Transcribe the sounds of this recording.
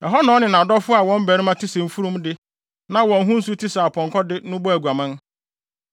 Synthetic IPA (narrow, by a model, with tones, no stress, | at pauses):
ɛ˨ɦɔ˦nɔ̃ː˨˦nɪ̃˨nã˨dɔ˦fʊ˦a˨wɔ̃˦m̩˦bæ˨ɾi˦mã˦tʰi˦sɛ˨m̩˦fu˦ɾũ˦mdɪ˦ | nã˨wɔ̃˨n˦ɦũ˦n̩˦su˦tʰi˦sa˨pʰɔ̃˨ŋ˨kɔ˦dɪ˦nʊ̃˦bɔ˦æ˨ɡʷa˨mã˦n